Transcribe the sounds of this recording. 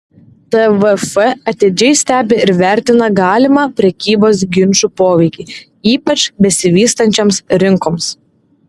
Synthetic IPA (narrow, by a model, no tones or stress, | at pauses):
t̪ɛʋɛfɛɐt̪ʲeːd͡ʒʲɛɪsʲt̪ʲæːbʲɪɪɾʋʲæˑɾʲt̪ʲɪnɐɡɑːlʲɪmɑːpʲɾʲɛkʲiːboːs̬ɡʲɪnʃupoːʋʲɛɪkʲiː | iːpɐt͡ʃʲbʲɛsʲɪʋʲiːst̪ɐnʲt͡ʃʲomsɾʲɪŋkoːms